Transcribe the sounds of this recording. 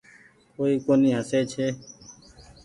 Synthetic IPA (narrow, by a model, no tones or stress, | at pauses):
koːiːkoːniːɦəseːt͡ʃʰeː